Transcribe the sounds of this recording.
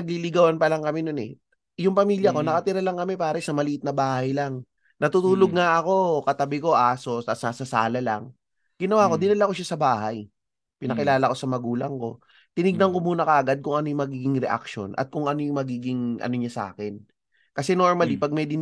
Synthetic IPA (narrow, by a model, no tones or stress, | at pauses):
ɐɡ̚lilɪɡawɐnpɐlaŋkɐmɛnonɛ̰ | jʊŋpɐmiːljɐko̞nɐkɐt̪ɪɾalɐŋkɐmɛpaːɾɐsɐmɐlɪʔɪt̪nɐbaːhajlaŋ | nɐt̪uːt̪uːloɡ̚ŋaʔɐko̞kɐt̪ɐbɪko̞ʔaːso̞sɐsasɐsa̰ːlɐla̰ŋ | ɡɪnɐwaːko̞d̪ɪnɪlako̞ʃasɐbaːhaj | pɪnɐkɪlaːlɐko̞sɐmɐɡuːlɐŋko̞̰ | t̪ɪnɪɡ̚nɐŋkomuːnɐkɐʔɐɡad̪̚kʊŋɐno̞jʊŋmɐɡiːɡɪŋɾɛʔa̰kʃo̞̰nʔɐ̰t̪̚kʊŋʔɐno̞jʊŋmɐɡiːɡɪŋʔɐ̰no̞ɲasa̰ːkɛn | kɐsɛno̞ɹmɐlipɐɡ̚mɐjd̪ɪn